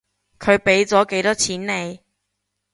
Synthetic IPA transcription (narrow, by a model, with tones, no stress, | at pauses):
kʰɵ˨˧ɥpe˨˥jt͡sɔː˨˥ke˨˥jt̪ɔː˥t͡sʰiː˨˥nne˨˧j